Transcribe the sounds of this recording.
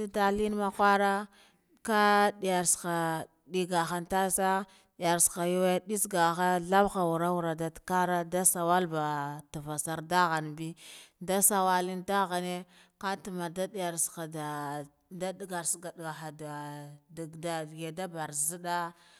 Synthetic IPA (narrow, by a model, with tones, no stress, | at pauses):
a˦da˦li˦n˦ma˦xʷa˦ɾa˦ | ka˦di˨ja˨ɾska˨ | ɗi˦ɡa˨xa˦nta˦sa˦ | ɗi˨ja˨ɾsxa˨ju˦we˦ɗi˦sɡa˨xa˦ɮa˦bxa˨wu˨ɾa˦u˨ɾa˨da˨tka˦ɾa˦da˦sa˨wa˦lba˨ta˨va˨sa˨ɾda˦ɣa˨nbi˦da˦sa˨wa˦li˦nda˦ɣa˨ne˦ | ka˦ti˨ma˨da˦di˦˨ja˨ɾsa˨da˨ | da˦dɡa˨ɾsɡa˨dɡa˨xa˨da˨dɡda˨ɡe˨da˦ba˨ɾzi˦da˦